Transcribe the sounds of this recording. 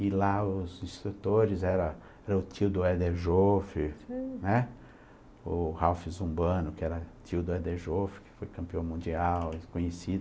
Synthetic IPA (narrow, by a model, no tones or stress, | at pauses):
ɪlaʊzĩst̪ɾut̪oɾɪzɛɾɐ | ɛɾɐʊt̪iwd̪ʊɛd̪eʒofɪnɛ | ʊhawfɪzũbɐ̃nʊkɪɛɾɐt͡ʃiwd̪ʊɛd̪eʒofɪ̥kɪ̥fojkɐ̃mpiɐ̃w̃mũnd͡ʒiawɪkõɲesid̪ʊ